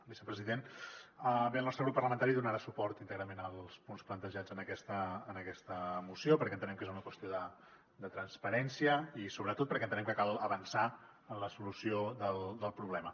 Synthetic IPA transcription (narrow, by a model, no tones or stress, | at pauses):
bisəpɾəziðenəbelˠnɔst̪ɾəɣɾupːəɾləmənt̪aɾiðunəɾasupɔɾt̪int̪əɣɾəmenəlˠspunsplənt̪əʒad͡zənəkɛst̪əːnəkɛst̪əmusiopəɾkɛnt̪ənɛmkezunəkwəst̪ijoðə | d̪ət̪ɾənspəɾɛnsiəisoβɾət̪ot̪pəɾkɛnt̪ənɛmkəkalˠəβənsa | ənləsulusioðəlˠd̪əlˠpɾuβlɛmə